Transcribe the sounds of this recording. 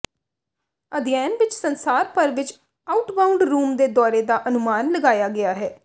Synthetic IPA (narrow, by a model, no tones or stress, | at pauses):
əd̪ɪjɛːnʋɪt͡ʃsənsaːɾpəɾʋɪt͡ʃ | aʊʈbaʊ̃ɳɖɾuːmd̪eːd̪ɔːɾeːd̪aːʔənʊmaːnləɡaːjaːɡɪaːɦɛː